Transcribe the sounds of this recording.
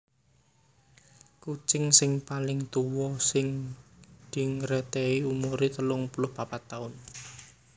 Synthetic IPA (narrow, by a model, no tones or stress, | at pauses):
kut͡ʃɪŋsɪŋpalɪŋt̪uwɔsɪŋ | d̪̥i̤ŋɾɛt̪eiumuɾit̪əlʊŋpulʊhpapat̪aʊn